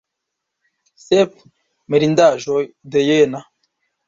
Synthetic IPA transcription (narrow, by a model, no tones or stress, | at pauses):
sep | meɾindaʒod̪ejena